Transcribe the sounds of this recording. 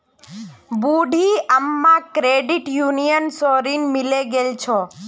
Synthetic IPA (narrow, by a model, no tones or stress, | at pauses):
buɖʱiəmːãkɾeɖiʈjunijənsɔɾinmileɡelt͡ʃʰo